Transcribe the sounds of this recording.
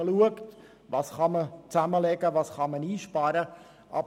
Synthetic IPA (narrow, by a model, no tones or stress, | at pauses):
əluəkt | ʋɑːsχɑmət͡sæməlɛɡəvɑːsχɑməniːʃpɑːɾə | ʔɑ̰b